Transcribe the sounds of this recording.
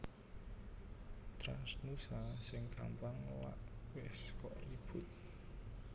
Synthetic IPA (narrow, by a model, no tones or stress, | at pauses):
t̪ɾa̰nsnusasɪŋkʰa̰mpaŋla̰ʔwɪskɔʔrib̥ut̪̚